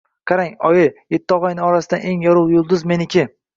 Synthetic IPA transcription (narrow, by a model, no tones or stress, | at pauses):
qʰɑɾaŋɒjɪje̞t̪ʰːɪɒʁɒjnɪɒɾasɪd̪anʔe̞ŋjɒɾʊwjʊlˠd̪ʊzme̞nɪkʲʰɪ